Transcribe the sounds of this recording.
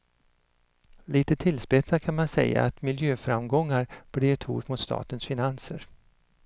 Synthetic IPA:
liːt̪ət̪ʰɪlspɛt̪sakʰanmansɛ̰jːa̰t̪mɪljøːfɾamɡɔŋːaɾb̥ɽɪɾt̪ʰṵːʈmʊt̪st̪ɑ̰ːt̪ənsfɪnansəɾ

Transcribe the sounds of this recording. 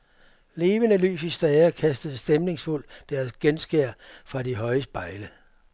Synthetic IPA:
le̝ːʋənəly̰ːs̬isd̥ʁɛːɐkʰæsd̥əð̩ˠsd̥emne̝ŋsful̰d̥æɐsɡ̥ensɡ̥eɐ̰fʁɑ̈diɦɒ̽ɪəsb̥ɑ̈ɪlə

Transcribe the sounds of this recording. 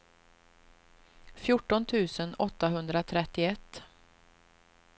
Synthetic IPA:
fjʊʈːɔnt̪ʰʉ̟ːsənɔt̪ːaɦɵnd̪ɾat̪ʰɾɛt̪ːɪɛt̪ː

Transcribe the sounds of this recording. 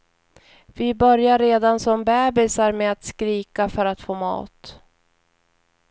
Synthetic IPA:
vɪbœɾjaɾːeːd̪ansɔmbɛːbɪsaɾmɛat̪skɾiːkafœɾat̪foːmɑ̰ːt̪

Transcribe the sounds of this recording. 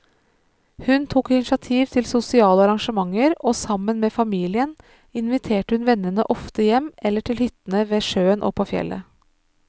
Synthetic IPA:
hʉnt̪ʰuːkɪnɪʃjɑt̪ʰiːʋt̪ʰɪlsʊsɪɑːləɑɾɑŋʃəmɑŋəɾoːsɑmənmeːfɑmiːlɪən | ɪnʋɪt̪ʰeːʈəhʉnʋɛnːənə̰ʔɔft̪əjɛmɛlːəʈʰɪlhʏt̪nəʋeːʂøːənʔo̰ːpʰːoːfjɛ̰lːʔə̰

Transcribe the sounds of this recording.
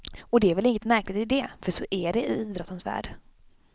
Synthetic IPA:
ɔd̪ɛæɾvɛlɪŋːət̪mæɾklɪt̪ɪd̪ɛfœʂɔʔæɖɛɪiːd̪ɾɔt̪ːənsvæ̰ːɖ

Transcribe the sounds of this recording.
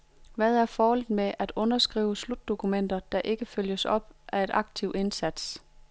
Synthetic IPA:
ʋæðˠæɐfɒːhɒl̰ð̩ˠmeʔæd̥ɔ̽nɐsɡ̥ʁḭːʊəslud̥ːo̝kʰumen̰d̥ɐd̥ɑ̈ʔe̝ɡ̥əføl̰jəsɒ̽b̥ʔæe̝ɾ̥ʔɑ̈ɡ̥̚t͡sʰiʊ̰e̝nsæd̥s

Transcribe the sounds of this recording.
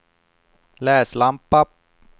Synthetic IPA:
lɛːslampːap̚

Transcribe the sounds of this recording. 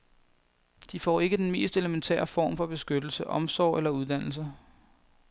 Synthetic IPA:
d̥ifɒ̰ːe̝ɡ̥əd̥enme̝̰ːsd̥e̝ləment͡sʰɛ̰ːɐfɒ̰ːmfɒ̽b̥e̝sɡ̥ød̥l̩səʔɒ̽msɒ̰ʊ̰ʔelɐuð̞ˠd̥æn̰l̩s̬ɐ

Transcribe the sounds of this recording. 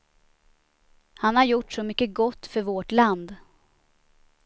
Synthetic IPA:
hanhaɾjʊʈːʂɔmʏkːəɡɔt̪ːfœɾvoʈland̪

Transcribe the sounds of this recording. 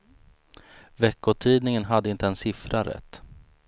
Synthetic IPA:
vɛkːʊt̪ʰiːd̪nɪŋənɦad̪ːəɪnt̪əɛnsɪfɾaɾɛ̰t̪ː

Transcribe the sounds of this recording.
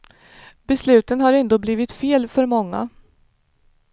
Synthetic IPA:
bɛslʉ̟ːt̪ənhaɾɛnd̪oːbliːvɪt̪feːlfœɾmɔŋːa̰

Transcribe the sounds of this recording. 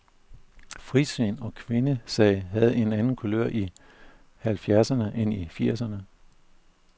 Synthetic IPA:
fʁisønɒ̽kʰʋe̝nəsɛɪɦæð̞̩ˠe̝nænn̩kʰuløɐ̰ʔi | hælfjæɐsɐnəʔenifiɐ̰sɐnə

